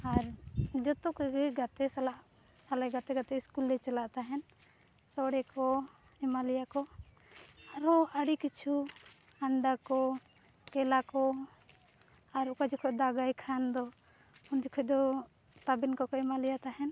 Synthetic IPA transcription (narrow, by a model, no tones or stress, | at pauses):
aɾd͡ʒɔt̪ɔkɔɡɛɡat̪ɛsalaʔ | alaɡat̪ɛɡat̪ɛiskulːɛt͡ʃalaʔt̪aɦɛn | sɔɽɛkɔ | ɛmalijakɔ | aɾɔaɽikit͡ʃʰu | aɳɖakɔ | kɛlakɔ | aɾukad͡ʒɛkʰɔd̪aɡajkʰand̪ɔ | und͡ʒɛkʰɔd̪ɔ | t̪abinkɔkɔɛmalɛjat̪aɦɛn